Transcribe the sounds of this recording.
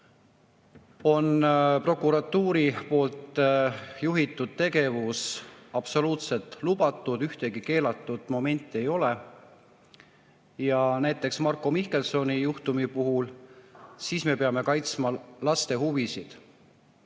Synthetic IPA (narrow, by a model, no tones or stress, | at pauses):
o̞npro̞kˑuɾɑt̪ːuːɾipo̞ːlt̪ˑ | juɦit̪ːˑud̪̥̚t̪e̞ɡe̞vusɑb̥so̞luːt̪se̞lt̪ˑlub̥ɑt̪ːˑud̪yht̪e̞ɡike̞ːlɑt̪ːˑud̪̥mo̞me̞nʲt̪ːˑie̞jo̞le | jɑnæjt̪ːˑe̞ksmɑrkːˑo̞mihke̞lso̞nijuht̪umipuɦul | siːsme̞pe̞ɑme̞kɑjt̪smɑlɑst̪e̞huvisid̪̥